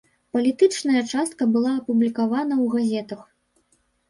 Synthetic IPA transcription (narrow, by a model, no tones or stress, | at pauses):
pɐlʲit̪ɨt͡ʂnɐjɐt͡ʂast̪̚kɐbɨlˠaːpublʲikavanɐwɣazʲɛt̪ɐx